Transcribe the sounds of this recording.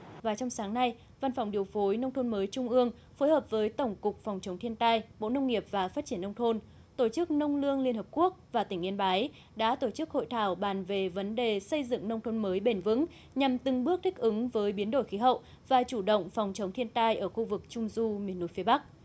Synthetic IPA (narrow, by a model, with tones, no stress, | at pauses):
vaː˨˩t͡ɕɔ˧wŋ͡msaː˨˦ŋna˧j | va˧nfɔ˨˩wŋ͡mɗi˨˩əwfo˨˦jnə˧wŋ͡mt̪ʰo˧nməː˨˦jt͡ɕʊ˧ŋ͡mʔɨ˧əŋ | foː˨˦jhəː˨˩p̚vəː˨˦jt̪ə˧˩wŋ͡mkʊ˨˩k͡p̚fɔ˨˩wŋ͡mt͡ɕə˨˦wŋ͡mt̪ʰi˧ənt̪aː˧jɓo̰˧˨nə˧wŋ͡mŋi˨˩əp̚vaː˨˩faː˦˥t̚t͡ɕi˧˩ənːə˧wŋ͡mt̪ʰo˧n | t̪o˧˩t͡ɕɨ˦˥k̚nə˧wŋ͡mlɨ˧əŋli˧ənhəː˨˩p̚ku˦˥ək̚vaː˨˩t̪ï˧˩ŋ̟ʔi˧ənɓaː˨˦j | ɗa̰ː˧˥t̪o˧˩t͡ɕɨ˦˥k̚ho̰˧˨jt̪ʰaː˧˩wɓaː˨˩nve˨˩və˨˦nɗe˨˩sə˧jzɨ̰˧˨ŋnə˧wŋ͡mt̪ʰo˧nməː˨˦jɓe˧˩nvɨ̰˧˥ŋ | ɲa˨˩mt̪ɨ˨˩ŋɓɨ˦˥ək̚t̪ʰï˦˥k̚ʔɨ˨˦ŋvəː˨˦jɓi˨˦ənɗo˧˩jxi˨˦ɦə̰˧˨w | vaː˨˩t͡ɕu˧˩ɗə̰˧˨wŋ͡mfɔ˨˩wŋ͡mt͡ɕə˨˦wŋ͡mt̪ʰi˧ənt̪aː˧jʔəː˧˩xu˧vɨ˨˩k̚t͡ɕʊ˧ŋ͡mzu˧mi˨˩ənːu˨˧˦jfi˨˦ɓa˦˥k̚